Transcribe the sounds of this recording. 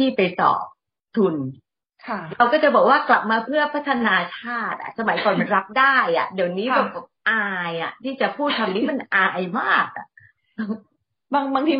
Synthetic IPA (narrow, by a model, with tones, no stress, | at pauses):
t̪ʰiː˥˩pa˧jsɔ̰ː˨˩p̚ | t̪ʰu˧nʰ˧ | ɾa˧wkɔː˥˩t͡ɕa˨˩bɔː˨˩k̚waː˥˩kla˨˩p̚maː˧pʰɯ˥˩əpʰa˦˥t̪ʰa˧naː˧t͡ɕʰaː˥˩t̪̚a̰˨˩sa˧ma˨˩˦jkɔː˨˧˩nma˧nɾa˦˥p̚daː˥˩jʔa̰˨˩ʔdi˨˩əwniː˦˥bɛː˨˩p̚ʰa˦˥p̚ʔaː˧jʔa̰˨˩t̪ʰiː˥˩t͡ɕa˨˩pʰuː˥˩t̪ʰːa˧mniː˦˥ma˧nʔaː˧jmaː˥˩k̚ʔa̰˨˩ | baː˧ŋbaː˧ŋt̪ʰiː˧